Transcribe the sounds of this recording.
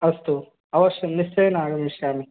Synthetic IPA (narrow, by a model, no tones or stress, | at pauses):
ɐst̪u | ɐʋɐʂjɐmniɕt͡ɕɐjɐnaːɣɐmʋiʂjaːmi